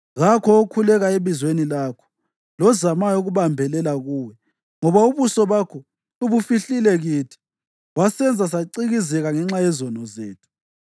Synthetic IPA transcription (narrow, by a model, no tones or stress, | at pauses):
ɣakʰɔːkʰulɛɣaeβizwenilakʰɔ̥ | lɔzamajuɣuβambʱɛlɛlaɣuːwɛ | ŋɔβauβusɔβakʰɔ | uβufiɬilɛɣitʰi̥ | wasɛnd͡zʱasaǀiɣizɛɣaŋɛŋ͡ǁajɛzɔnɔzḛːtʰu̥